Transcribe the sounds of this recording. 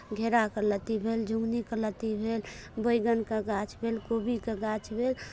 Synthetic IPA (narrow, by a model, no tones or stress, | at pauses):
ɡʱeɾakələt̪ibʱeld͡ʒuŋɡnikələt̪ibʱelbəjɡənkəɡat͡ʃʰbʱelkobikeɡat͡ʃʰbʱel